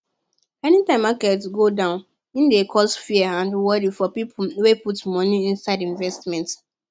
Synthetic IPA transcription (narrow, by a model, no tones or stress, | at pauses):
ɛnitãɪ̃makɛtɡodãʊ̃n | ĩndekʰɔsfiəãndwɔdifɔpipweputmɔniĩnsadĩnvɛstmɛ̃nt